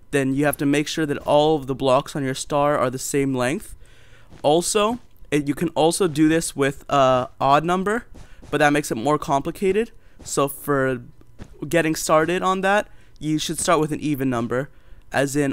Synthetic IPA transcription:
ðɨ̃njɨhæftɨmeɪkʃʊɹðɨɾɔlˠʌvðəblɑksn̩jə˞stɑɹə̰˞ðɨsẽɪ̃mlɛ̃ŋk̚θ | ʔɔlˠsoʊ | jɨkʰɨ̃nɔlˠsoʊdɨðɪswɪðʌɑdⁿnʌ̃mbə˞b̥ʌt̪̚ðɨt̚meɪksɨt̚mɔɹkʰɑ̃mpləkʰeɪɾɨd̥soʊfə˞ | ɡɛɾɪ̃ŋstɑɹɾɪɾn̩ðæt̚ | jɨʃɨd̥stɑɹt̚wɨðɨ̃nʔivɨ̃nʌ̃mbə˞ | ʔɨzɪ̃n

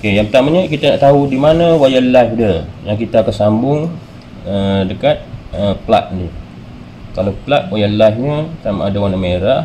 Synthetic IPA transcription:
okejaŋpət̪amaɲəkit̪ana̰ʔt̪aɦudimanãwajallaɦdəjaŋkit̪aːkansambʊŋ | ədəkat̪̚əpla̰ʔ̚də | kalaplaʔwajallaɦɲək̪ama̰dawanameɾah

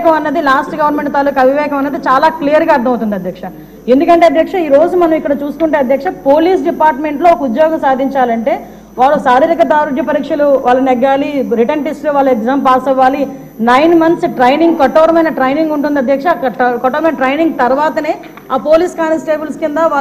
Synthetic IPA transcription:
kɐmɐnːeːd̪ilaːsʈɡɐʋɐɾnmeɳʈt̪alukɐɐbʱiʋɛːkɐmɐneːd̪it͡ʃaːlaːklijɐɾɡaːɐɾd̪ʰʱɐmɐwt̪und̪ɐd̪ʱjɐkʂɐ | e̞nd̪ukɐɳʈeːɐd̪ʱjɐkʂɐiːɾo̞ːd͡ʒumɐnɐmikːɐɽɐt͡ʃuːsu̥kuɳʈeɐd̪jɐkʂɐpo̞ːliːs̬ɖipaːɾʈme̞ɳʈlo̞ːɔkɐud̪jɔːɡɐmsaːd̪ʱiɲt͡ʃaːlɐɳʈe̞ː | ʋaːɭːɐsaːɾiːɾikɐt̪̬aːɾud̪ʱjɐpɐɾiːkʂɐluʋaːɭːɐnɛɡːaːliɾiʈɐɳʈisʈluʋaːɭːɐɛɡzaːmpaːsɐʋaːli | nɐjnmɐnt̪sʈɾɐjniŋɡkɐʈːɐːɾɐmɐjnɐʈɾɐjniŋɡuɳʈund̪iɐd̪ʱjɐkʂɐkɐʈːɐːɾɐmejnɐʈɾɐjniŋɡ̚t̪ɐɾuʋaːt̪ɐneː | aːpo̞ːliːskaːnɐsʈeːbulskind̪ɐʋaː

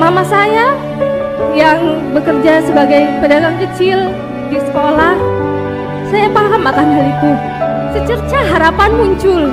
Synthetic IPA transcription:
mamasaja | jaŋbəkərd͡ʒasəbaɡajpədaɡaŋkət͡ʃɪl | disə̥kolah | sajapaɦamat̪ahndaɾiku | sət͡ʃərt͡ʃaɦaɾapanmuɲt͡ʃʊl

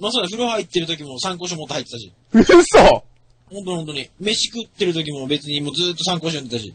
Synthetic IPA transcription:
mas̬oːd̪ɸɯ̟ɾohait̪ːe̞ɾɯ̟t̪o̞k̬ʲimo̞sãŋkoːɕ̬iomot̪ːhait̪ːet̪aɕḭ | ɯso | hõnt̪ohõnt̪oɲime̞ɕi̥kɯt̪ːe̞ɾɯ̟t̪o̞kʲimo̞be̞t͡sɨɲ̟imoːd͡zɨːt̪ːosãŋkoːɕojõnd̪et̪aɕḭ

